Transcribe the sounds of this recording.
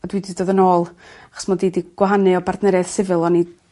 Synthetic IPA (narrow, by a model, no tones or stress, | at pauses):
ɔdwiːdɨdoːðənoːlˠaχɔ̥smɔdiːdiɡ̥waɦanɨɔbardnɛɾɛð̥sɪvɨlˠɔni